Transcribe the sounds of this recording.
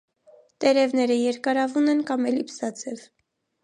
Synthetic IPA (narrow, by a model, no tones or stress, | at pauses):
t̪ɛɾɛvnɛɾəjɛɾkɑɾɑvunɛnkɑmɛlipsɑt͡sʰɛv